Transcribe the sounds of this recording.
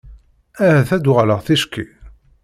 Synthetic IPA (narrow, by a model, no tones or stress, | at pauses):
æhæθæd̪ʊʁləʁθiʃkːi